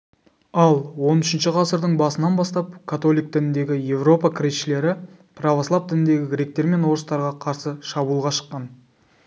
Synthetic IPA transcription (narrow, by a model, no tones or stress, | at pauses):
ɑlˠwo̞nʏʃɪnʃɪʁɑsəɾd̪əɴbɑsənɑnbɑst̪ɑp̚kʰat̪o̞lʲijk̚t̪ɪnɪnd̪e̞ɡʲɪje̞vro̞pɑkʲʰɪɾesʃɪle̞ɾɪ | pʰravoslˠɑpt̪ɪnɪnd̪e̞ɡʲɪɡʲɾʲe̞k̚t̪e̞ɾme̞nwo̞ɾəst̪ɑɾʁɑqʰɑɾsəʃɑbuːlˠʁɑʃə̥qːɑn